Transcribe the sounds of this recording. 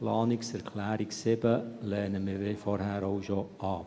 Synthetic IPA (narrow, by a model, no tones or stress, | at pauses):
plɑːnɪksɛɾkʰlæːɾiksɪbəlɛːnəmɪːʋɪfɔɾhæːɾoʊʃoʔɑː